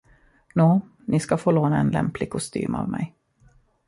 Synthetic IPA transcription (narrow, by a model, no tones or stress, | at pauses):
nuː | nɪskafoːloːnaɛnlɛ̰mplɪɡ̚kʰʊst̪y̰ːma̰ːvmɛj